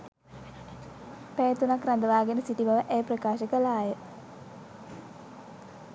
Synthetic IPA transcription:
peːt̪unakrand̪əʋaːɡenəsiʈibaʋəʔejprəkaːʃəkəlaːjə

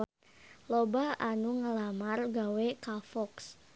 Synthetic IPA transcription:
lobaanuŋəlamarɡawekafɔks

